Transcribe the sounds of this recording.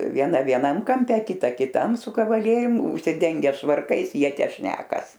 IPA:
ʋʲiɛˈnɐ ʋʲiɛˈnɐm kɐmʲˈpʲɛ kʲɪˈtɐ kʲɪˈtɐm sʊ kɐʋɐˈlʲiɛrʲʊm ʊʃʲsʲɪˈdʲɛŋʲɡʲɛ ʃʋɐrˈkɐɪs ˈjiɛ ˈtʲæː ˈʃʲnʲæːkɐs

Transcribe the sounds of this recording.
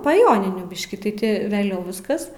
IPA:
pɐ ˈjoːnʲɪnʲuː ˈbʲɪʃʲkʲɪ tɐɪ ˈtʲɪ ʋʲɛˈlʲɛʊ ˈʋʲɪskɐs

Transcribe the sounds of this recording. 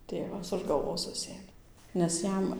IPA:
ˈtʲeːʋɐs ʊʃ ɡɐlˠˈʋoːs ˈsʊsʲeːmʲeː nʲɛs ˈjɛm

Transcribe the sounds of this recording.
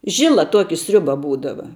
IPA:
ˈʒʲɪlˠɐ ˈtuɔkʲɪ ˈsʲrʲʊbɐ ˈbuːdɐʋɐ

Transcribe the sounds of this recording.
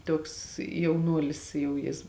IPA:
ˈtuɔks jɛʊˈnuɔlʲɪs ˈjɛʊ ˈjɪs

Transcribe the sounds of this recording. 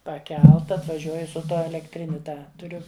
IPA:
pɐˈkʲɛlˠtɐ ɐtʋɐˈʒʲuɔj sʊ ˈtuɔ ɛlʲɛkˈtʲrʲɪnʲʊ ˈtɑː tʊˈrʲʊ

